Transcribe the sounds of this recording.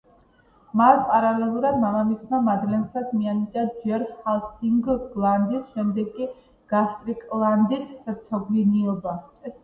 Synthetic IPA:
matpʼaɾalɛlˠuɾad̪maʁamismamad̪lɛnsad̪smianid͡ʒ̪ʼad͡ʒɛɾχalˠsiŋɡɡlˠand̪isʃɛmd̪ɛɡkʼːi | ɡ̥ast̪ʼɾikʼlˠand̪isɾt̪sʰɔɡliniɔbaɛs

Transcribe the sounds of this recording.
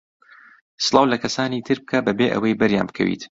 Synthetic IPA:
sɨlˠɑːwlɐkʰɐsaːniːt̪ʰɨɾb̚kʰabɐbeːʔɐ̰wɐjbɐɾja̰ːnbɨkʰɐ̰wḭːt̪

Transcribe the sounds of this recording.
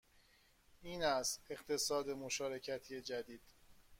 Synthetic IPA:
iːnæst̪e̞ɢt̪ʰe̞sɒːd̪e̞moʃɒːɾe̞cʰæt̪ʰied͡ʒæd̪iːd̪̥

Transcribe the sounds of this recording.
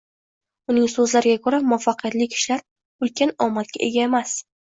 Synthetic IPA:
ʊnɪŋsɵzlaɾɪɡʲakʰɵɾamʊfaqʰɨjat̪lɪkʲʰɪ̥ʃlaɾ | ʊlkʲanɒmat̪̚kʲa̰ʔe̞̰ɡʲae̞mas

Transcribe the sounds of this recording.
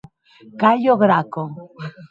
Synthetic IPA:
kaʎoɣɾako

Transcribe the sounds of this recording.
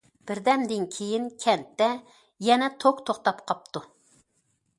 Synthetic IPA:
b̥ɪɾd̪ɛnd̪ɪnkʲʰejinkʲʰɛnt̪ːɛ | jɛnɛt̪ʰokt̪ʰoχt̪ɑpqʰɑp̚t̪ʰu

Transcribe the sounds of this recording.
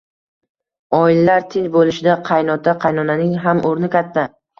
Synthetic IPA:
ɒɪlːaɾt̪ʰɪɲbolɪʃɪd̪aqʰɑjnɒt̪ʰaqʰɑjnɒnanɪŋɦamoɾnɪkʲʰat̪ʰːa

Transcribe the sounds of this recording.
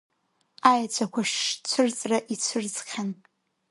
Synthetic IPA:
ajat͡ɕʷʰakʷʰaʃt͡ɕʷʰɨrt͡sʼraʔit͡ɕʷʰɨrzχʲan

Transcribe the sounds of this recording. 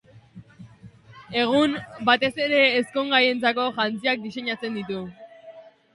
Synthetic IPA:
e̞ɣ̞unbat̪e̞se̞ɾe̞ːsko̞ŋɡaje̞nt͡sako̞ʝant͡siak̚d̪ise̞ɲat͡se̞nd̪it̪u

